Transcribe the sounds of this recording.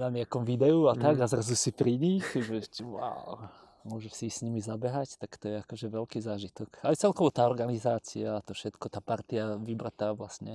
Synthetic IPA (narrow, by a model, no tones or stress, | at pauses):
naɲɪakɔmʋid̪ɛuat̪aɡazɾazusipɾiɲixʒɛtʋʊa̰ʊ | mʊɔʒɛʃsiːxsɲimizabɛɦact̪akt̪ɔjɛakɔʒɛʋɛlkiːzaːʒit̪ɔkajt͡sɛlkɔʋɔt̪aːɔɾɡanizaːt͡siaːt̪ɔfʃɛt̪kɔt̪aːpaɾt̪iaʋibɾat̪aːʋlasɲɛ